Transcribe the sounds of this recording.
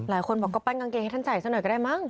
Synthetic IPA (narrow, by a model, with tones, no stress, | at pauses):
laː˩˦jkʰo˧nbɔː˨˩kːɔː˥˩paː˧˥˩nka˧ŋke˧ŋht̪ʰa˥˩saː˨˩jsnɔː˨˩jkɔ˥˩aː˥˩jma˥˩ŋ